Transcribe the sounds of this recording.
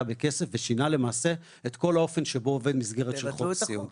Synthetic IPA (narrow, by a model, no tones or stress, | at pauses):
beke̞sefveʃinale̞maːse̞ | et̪ko̞lao̞fe̞nʃebo̞ove̞d̪mizɡe̞ʁetʃelχoijum